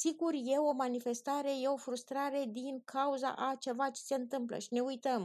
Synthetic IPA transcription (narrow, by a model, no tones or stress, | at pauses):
siɡurje̞o̞manife̞st̪aɾe̞je̞o̞fɾust̪ɾaɾe̞d̪iŋkʰauza̰ʔat͡ʃe̞vat͡ʃe̞̥se̞ɨnt̪ɨmplə̰ʃine̞ujt̪əm